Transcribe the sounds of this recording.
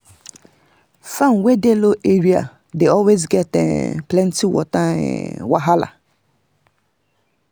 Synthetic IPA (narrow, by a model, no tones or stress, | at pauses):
fãnwedeloʔeɹia̰ | deɔlwezɡɛtɛ̰plɛ̃ntiwɔ̰ta̰waɦala̰